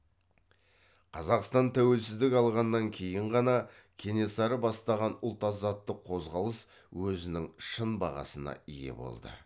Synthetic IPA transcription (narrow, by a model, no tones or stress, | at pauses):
qʰɑzɑqst̪ɑnt̪ʰæwe̞lsɪzd̪ɪkʲɑlˠʁɑnːɑŋkʲʰe̞jɪɴʁɑnɑ | kʲʰe̞ne̞sɑɾəbɑst̪ɑʁɑnʊlˠt̪ɑzɑt̪ːəqʰːo̞zʁɑlˠəs | wɵzɪnɪŋʃənbɑ̰ʁɑ̰sənɑ̰ije̞̰bo̞̰lˠd̪ə̰